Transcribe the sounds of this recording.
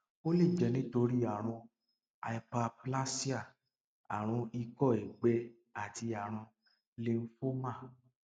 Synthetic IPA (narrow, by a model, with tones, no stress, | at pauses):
o˦le˦˨d͡ʒɛ˨˧nĩ˦to˧ɾi˦a˨ɾ̃ũ˧ | a˧i˧pa˧pla˦si˦a˦˨ | a˨ɾ̃ũ˧i˧kɔ˦˨e˨ɡ͡bɛ˧ | a˨ti˧a˨ɾ̃ũ˧ | le˧n̩˦fo˦mã˦˨